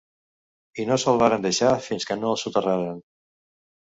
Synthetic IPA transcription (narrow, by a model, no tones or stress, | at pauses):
inosəlˠβaɾənd̪əʃafinskənoəlˠsut̪əraɾən